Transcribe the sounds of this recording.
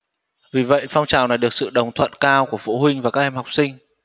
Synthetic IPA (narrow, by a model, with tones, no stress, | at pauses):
vi˨˩və̰˧˨jfa˧wŋ͡mt͡ɕaː˨˩wna˨˩jɗɨ˨˩ək̚sɨ̰˧˨ɗə˨˩wŋ͡mt̪ʰwə̰˧˨nkaː˧wku˧˩əfṵ˧˥ɦwï˧ŋ̟vaː˨˩kaː˦˥k̚ʔɛ˧˩mha˨˩wk͡p̚sï˧ŋ̟